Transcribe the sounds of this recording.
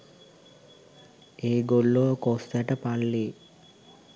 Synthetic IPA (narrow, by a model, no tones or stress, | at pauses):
eːɡolːokost̪æʈəpalːeː